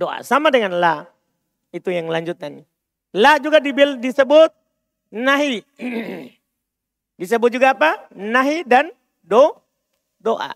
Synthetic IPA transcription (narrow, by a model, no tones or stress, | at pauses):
doʔa̰samadɛŋanla | it̪ujaŋlaɲd͡ʒut̪̚ani | lad͡ʒuɡadibildisəbʊt̪̚ | naɦi | dis̬əbʊt̪̚d͡ʒuɡaːpanaɦidan | dɔ | doʔa̰